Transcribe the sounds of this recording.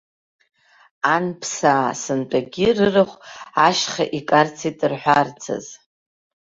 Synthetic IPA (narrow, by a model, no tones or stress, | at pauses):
anpʰsaːsɨntʼaɡʲɪrɨrɨχʷaʃχa̰ʔikʼart͡sʰitʼɨrħʷᶣart͡sʰa̰z